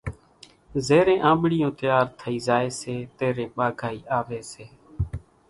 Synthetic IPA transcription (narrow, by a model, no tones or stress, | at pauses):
zeːɾẽːʔãːɓɽɪjõːt̪ɪjaːɾt̪ʰəiːzaːeːseːt̪eːɾẽːɓaːɡʱaːiːʔaːʋeːseː